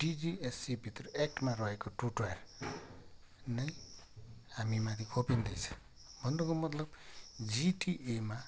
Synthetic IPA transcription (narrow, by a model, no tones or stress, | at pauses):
ɖ̥id͡ziesːibʱit̪ɾʌek̚ʈmaɾɔɦekoʈuʈaɾ | nʌj | amimad̪ʰikʰopind̪ijt͡sʰʌ̥̃ | bʱʌnd̪okomʌt̪lʌbd͡ziʈiʔema